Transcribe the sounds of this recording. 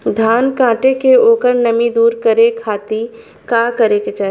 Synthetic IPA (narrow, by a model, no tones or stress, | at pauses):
d̪ʱaːnkãːʈekeoːkəɾnɐmid̪uːɾkəɾekʰaːt̪i | kaːkɐɾeket͡ʃaɦ